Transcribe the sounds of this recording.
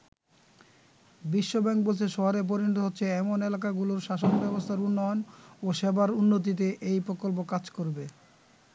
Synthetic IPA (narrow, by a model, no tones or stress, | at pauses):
biʃːobɛŋk̚bolt͡ɕʰeʃɔɦaɾep̬oɾinot̪̬oɦotːɕʰeɛmonelak̬aɡuloɾʃaʃonbɛbost̪ʰaɾunːɔonoʃebaɾunːot̪̬it̪̬eʔejpɾokolp̬okad͡ʑkoɾbe